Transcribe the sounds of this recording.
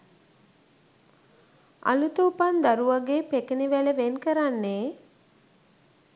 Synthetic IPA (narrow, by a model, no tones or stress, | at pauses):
a̰lut̪əupand̪aɾuʋaɡeːpekeniʋæləʋenkəɾanːeː